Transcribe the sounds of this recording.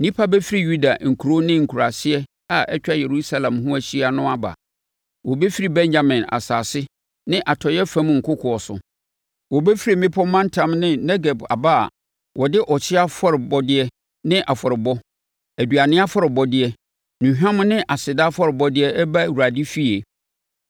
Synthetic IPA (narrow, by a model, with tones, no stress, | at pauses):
nĩ˦pʰa˦bɛ˦fi˦ɾi˦ju˦da̰˨ŋ̩˨kʰu˨ɾo˦nɪ̃˦ŋ̩˨kʰu˨ɾa˨sɪ˦ɛ˦ | a˨ʔɛ˦t͡ɕᶣa˦je˨ɾu˦sa˦lã˨mɦʊ̃˦æ˨ɕi˦a˨nʊ̃˦a˦ba̰˨ | wɔ˨bɛ˦fi˦ɾi˦˨bɛ̃˦ɲd͡ʑa˨mɪ̃˨na̰˨saː˨sɪ˦ | nɪ̃˦ʔa˨tʰɔ˨jɛ˦fã˦m˦ŋ̩˨kʰʊ˦kʰʊ˨ɔ˨sʊ̰˨ | wɔ˨be˦fi˦ɾi˨mɪ̃˦pʰɔ˦mã˦n˦tʰã˦mnɪ̃˦nɛ˦ɡɛ˨ba̰˨ba̰˦˨ | wɔ˨dɪ˦ʔɔ˨t͡ɕʰɪ˦a˦fɔ˦ɾɪ˨bɔ˦dɪ˦ɛ˦ | nɪ̃˦ʔa˨fɔ˨ɾɪ˨bɔ˦ | æ˨dɥa˨nɪ̃˦a˦fɔ˦ɾɪ˨bɔ˦dɪ˦ɛ˦ | nũ˨ɦᶣã˦m˦nɪ̃˦ʔa˨sɪ˨da˦fɔ˦ɾɪ˨bɔ˦dɪ˦ɛ˦ɛ˦ba˦˨wu˨ɾa˨di˦fi˦e˨